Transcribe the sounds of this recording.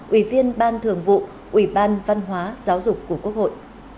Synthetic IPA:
ʔi˧˩vi˧ənɓaː˧nt̪ʰɨ˨˩əŋvṵ˧˨ | ʔwi˧˩ɓaː˧nva˧nɦwaː˨˦zaː˨˦wzʊ˨˩k͡p̚kːu˧˩əku˦˥ək̚ho̰˧˨jʔ

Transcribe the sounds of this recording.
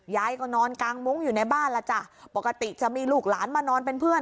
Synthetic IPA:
jaː˧jkɔ˧˩nɔː˧nkaː˧ŋmu˦˥ŋjuː˨˩na˧jbaː˥˩nla˧˩t͡ɕa˧˩pɔ˨˩ka˧t̪i˨˩t͡ɕa˨˩miː˧luː˨˩k̚laː˩˦nmaː˧˩nɔː˧npe˧npʰɯ˥˩ən

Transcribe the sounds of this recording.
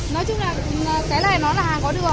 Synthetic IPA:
nɔ˨˦jt͡ɕʊ˨˥ŋ͡mlaː˨˩˨kaː˨˦jlaː˧˩jnɔ˨˦laː˨˩haː˧˩nkɔ˨˦ɗɨ˨˩ə

